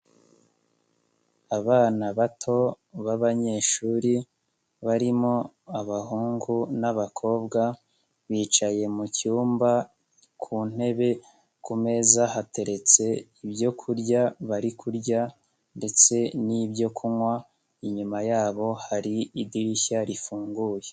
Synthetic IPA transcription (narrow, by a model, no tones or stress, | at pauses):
aβaːnaβatʰo̞ | βaβaɲe̞ʃuːɾi | βaɾimo | aβahuːŋɡunaβakʰo̞ːbɡa | βiːt͡ʃaje̞mucuːmba | kʰun̥e̞βe̞ | kume̞zaɦate̞ɾe̞t͡se̞ibjo̞kʰuɾɟaβaɾikʰuɾɟa | nde̞t͡se̞nibɟo̞kʰumwa | iɲumajaːβo̞haɾiidiɾiçaɾifuːŋɡuːje